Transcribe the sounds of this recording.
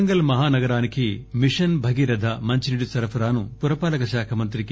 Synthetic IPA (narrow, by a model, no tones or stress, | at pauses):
ŋɡɐlmɐɦaːnɐɡɐɾaːnikʰimiʂɐnbʱɐɡiɾɐd̪ʱɐmɐɲt͡ʃiniɽisɐɾɐpʰɐɾaːnupuɾɐpaːlɐkɐʃaːkʰɐmɐnt̪ɾik